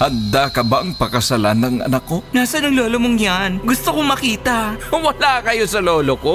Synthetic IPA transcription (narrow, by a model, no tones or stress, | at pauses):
hɐnd̪akɐbaʔɐŋpɐkɐsɐlanɐŋɐ̰nɐkːonaːsɐnɐŋloːlomoŋjanɡʊst̪okomɐkiːt̪ɐwɐlakɐjosɐloːloko